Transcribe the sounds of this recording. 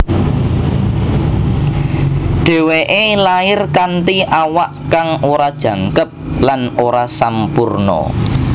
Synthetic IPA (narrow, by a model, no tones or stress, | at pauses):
ɖ̥e̤weʔelaɪrkanʈ̪iʔawaʔkaŋoɾad̥ʒ̥ä̤ŋkəp̚lanoɾasampurnɔ̰